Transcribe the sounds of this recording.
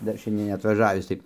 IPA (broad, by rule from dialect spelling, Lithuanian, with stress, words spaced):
ˈdɐr ˈʃʲɛnʲdʲiɛn nʲɛɐtʋɐˈʒɑːʋʲɪs tɐɪ